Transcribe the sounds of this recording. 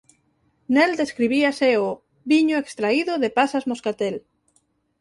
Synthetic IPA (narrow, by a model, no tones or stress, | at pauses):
neld̪eskɾiβiaseo | βiɲoekst̪ɾaiðʊðepasazmoskat̪el